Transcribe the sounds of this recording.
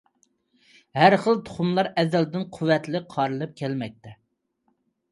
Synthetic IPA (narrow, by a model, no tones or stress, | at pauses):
hæɾχəlˠt̪ʰʊ̥χumlˠɑɾɛzɛld̪ɪnqʰʊwːɛt̪lɪqʰɑɾɨlˠɨp̚kʲʰɛlmɛk̚ʲt̪ʰɛ